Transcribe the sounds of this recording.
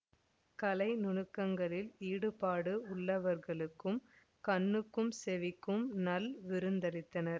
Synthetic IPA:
kɐlɐɪnʊɳɯkːɐŋɡɐɭɪliːɽɯpaːɽɯʊɭːɐʋɐɾɣɐɭɯkːɯm | kɐɳːɯkːɯmsɛʋɪkːɯmnɐlʋɪɾɯnd̪ɐɾɪt̪ːɐnɐɾ

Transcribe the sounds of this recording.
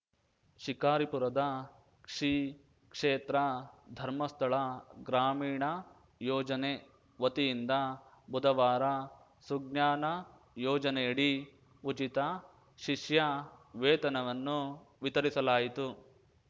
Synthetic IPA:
ʃikaːɾipuɾɐd̪ɐ | kʂi | kʂeːt̪ɾɐd̪ʱɐɾmɐst̪ʰɐɭɐɡɾaːmiːɳɐ | jɔːd͡ʒɐne | ʋɐt̪ijind̪ɐ | bud̪ɐʋaːɾɐ | suɡnjaːnɐ | jɔːd͡ʒɐnɛjɐɽi | ut͡ʃit̪ɐ | ʃiʂjɐʋeːt̪ɐnɐʋɐnːu | ʋit̪ɐɾisɐlaːjit̪u

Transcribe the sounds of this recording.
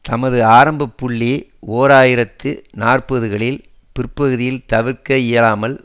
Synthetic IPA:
t̪ɐmɐðɯaːɾɐmbɐpːʊɭːioːɾaːjɪɾɐt̪ːɯnaːrpɐðɯɣɐɭɪl | pɪrpɐɣɯðɪjɪlt̪ɐʋɪrkɐɪjɐlaːmɐl

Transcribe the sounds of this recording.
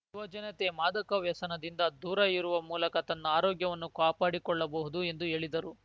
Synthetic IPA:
ʋɐd͡ʒɐnɐt̪emaːd̪ɐkɐʋjɐsɐnɐd̪ind̪ɐd̪uːɾɐiɾuʋɐmuːlɐkɐt̪ɐnːɐaːɾoːɡjɐʋɐnːukaːpaːɽikɔɭːɐbɐɦud̪ue̞nd̪ue̞ːɭid̪ɐɾu

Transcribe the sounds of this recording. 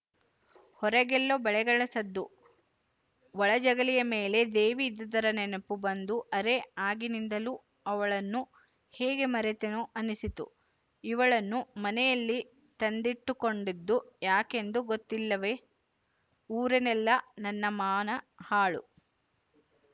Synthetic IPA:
hɔɾɐɡɛlːobɛɭɛɡɐɭɐsɐd̪ːu | ʋɐɭɐd͡ʒɐɡɐlijɐmeːle̞d̪eːʋiːd̪ɐd̪ɐɾɐnɛnɐpːubɐnd̪uʔɐɾeaːɡinind̪ɐlu | ɐʋɐɭɐnːu | hɛːɡe̞mɐɾɛt̪enuʔɐnisit̪ṵ | iʋɐɭɐnːumɐnɛjɐlːi | t̪ɐnd̪iʈːuko̞ɳɖid̪ːujaːke̞nd̪uɡot̪ːilːɐʋe̞ | uːɾenɛlːɐnɐnːɐmaːnɐ | haːɭṵ

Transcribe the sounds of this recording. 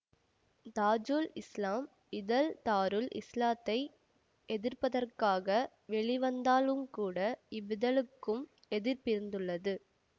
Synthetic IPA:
d̪aːd͡ʒuːlɪslaːm | ɪðɐlt̪aːɾɯlɪ̰slaːt̪ːɐɪ | ɛðɪɾpɐðɐrkaːɣɐ | ʋɛɭiʋɐnd̪aːlɯmkuːɽɐɪbɪðɐlɯkːɯm | ɛðɪɾpɪɾɯnd̪ɯɭːɐðɯ

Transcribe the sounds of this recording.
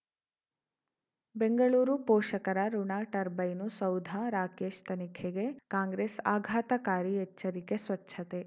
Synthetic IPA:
beŋɡɐɭuːɾupoːʃɐkɐɾɐɾuɳaːʈɐɾbɐjnusɐwd̪ʱaɾaːkeːʃt̪ɐnikʰeɡekãːŋɡɾeːsa̰ːɡʱaːt̪ɐkaːɾieːɐɾikesʋɐtːʃʰɐt̪e

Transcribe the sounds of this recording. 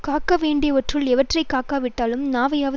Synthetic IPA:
kaːkːɐʋeːɳɖɪjɐʋɐʈrɯlɛʋɐʈrɐɪkaːkaːʋɪʈːaːlɯmnaːʋɐjaːʋɐ

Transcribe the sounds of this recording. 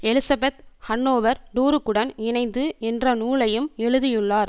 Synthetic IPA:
ɛlɪsɐbɛt̪hɐɳːoːʋɐɾd̪uːɾɯkːɯɽɐnɪnɐɪnd̪ɯɛndrɐnuːlɐjɯmɛɻɯðɪjɯɭːaːɾ

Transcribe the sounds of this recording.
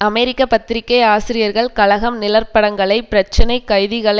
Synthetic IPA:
ɐmɛɾɪkːɐpɐt̪ːɪɾɪkːɐɪaːsɪɾɪjɐɾɣɐɭkɐlɐɣɐmnɪlɐɾpɐɽɐŋɡɐɭɐɪpɪɾɐt͡ʃːɐnɐɪkːɐɻðɪɣɐɭɐ

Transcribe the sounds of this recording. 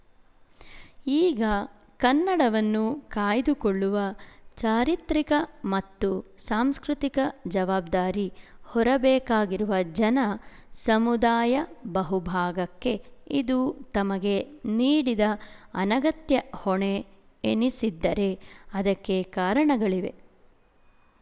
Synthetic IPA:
iːɡɐ | kɐnːɐɽɐʋɐnːukaːjd̪ukoɭːuʋɐt͡ʃaːɾit̪ɾikɐmɐt̪ːusaːmskɾut̪ikɐd͡ʒɐʋaːb̚d̪aːɾihɔɾɐbɛːkaːɡiɾuʋɐd͡ʒɐnɐ | sɐmud̪aːjɐbɐɦubʱaːɡɐkːe̞ḭd̪ut̪ɐmɐɡe̞niːɽid̪ɐɐnɐɡɐt̪jɐhɔɳe | enisid̪ːɐɾe̞ɐd̪ɐkːe̞kaːɾɐɳɐɡɐɭiʋe̞̰

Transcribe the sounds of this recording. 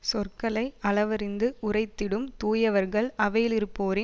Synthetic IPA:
sɔrkɐɭɐɪʔɐlɐʋɐɾɪnd̪ɯʔʊrɐɪt̪ːɪɽɯmt̪uːjɐʋɐɾɣɐɭɐʋɐjɪlɪɾɯpːoːɾɪ

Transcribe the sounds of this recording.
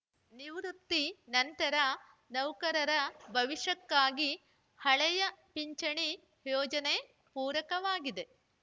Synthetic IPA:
niʋɾut̪ːinɐnt̪ɐɾɐ | nɐwkɐɾɐɾɐbʱɐʋiʂɐkːaːɡi | hɐɭɛjɐpiɲt͡ʃɐɳi | jɔːd͡ʒɐne̞ | puːɾɐkɐʋaːɡid̪e̞

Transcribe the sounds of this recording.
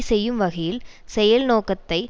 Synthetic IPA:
sɛjːɯmʋɐɣɐjɪl | sɛjɐlnoːkɐt̪ːɐɪ

